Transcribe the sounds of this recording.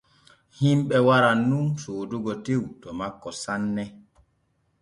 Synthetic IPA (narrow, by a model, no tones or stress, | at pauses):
himɓɛwaɾanunsoːduɡɔtewtɔmakːɔsanːɛ